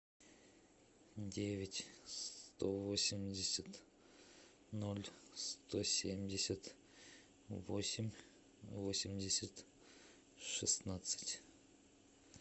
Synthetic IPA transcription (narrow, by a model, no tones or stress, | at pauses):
d̪ʲe̞vʲɪtʲst̪o̞vosʲɪmʲdʲɪsʲat̪ | nolʲst̪ʰo̞sʲemʲdʲɪsʲat̪ | vo̞̰sʲɪmʲ | vosʲɪmʲdʲɪsʲat̪ | ʂɨsnat̪sɨ̥tʲ